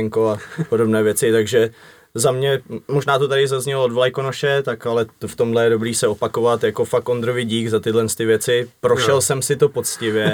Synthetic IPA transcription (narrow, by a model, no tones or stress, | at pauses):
ŋkoapodo̞bnɛːvjɛt͡sɪt̪aɡʒɛ | zamɲɛmoʒnaːt̪ot̪aɾɪzazɲɛloodvlajkonoʃɛt̪akalɛt̪oft̪o̞mdlɛjɛdo̞bɾiːsɛo̞pako̞vat̪jako̞fakond̪ɾo̞vɪɟiːɡzat̪ɪdlɛnst̪ɪvjɛt͡sɪpɾo̞ʃɛlsɛmsɪt̪o̞po̞t͡scɪvjɛ